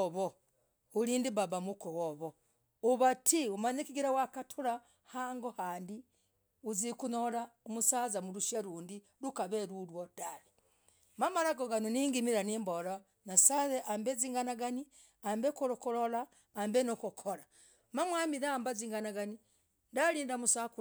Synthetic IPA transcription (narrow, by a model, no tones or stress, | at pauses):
oβo | uliːndibabamukuwoβo | uβatʰiumaɲekiɡiɾawakatʰuɾa | haŋɡohaːndi | uzikunolaomusazamuɾuʃaɾuːndi | lukaβeɾulwodale | mamalaɡoɡanoniŋɡimiɾaniːmbola | nasaðeʔambeziːŋɡanaɡani | ambekoɾokulolaː | mbenokukʰoɾa | mamwamiðaambaziːŋɡanaɡani | ndaɾiːndamusaku